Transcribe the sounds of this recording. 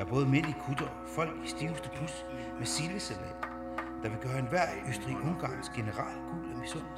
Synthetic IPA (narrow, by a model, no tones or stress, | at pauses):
æɐb̥ɔ̽ːð̩ˠmen̰likʰud̥ɐ | fɒ̽l̰ɡ̥isd̥iʊsd̥əpʰus | meselʋəseʋḛn̰d̥ | d̥ɑ̈ʋe̝ɡ̥ɶːɐe̝nʋæɐ̰øsd̥ʁḭːʔɔ̽ŋɡ̥ɑ̰̈ːnsɡ̥e̝nəʁɑ̰̈ːlɡ̥ṵɡ̥l̩æmb̥isɔ̰n